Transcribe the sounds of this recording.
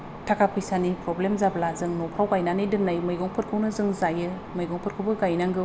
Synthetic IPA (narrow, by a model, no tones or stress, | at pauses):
tʰakʰapʰɯjsanipɾɔblemzablazɯŋnɔpʰɾawɡajnanɯjdɯnnajmɯjɡɔŋpʰɯɾkʰɯwnɯzɯŋzajɯ | mɯjɡɔŋpʰɯɾ̚kʰɯwbɯɡajnaŋɡɯ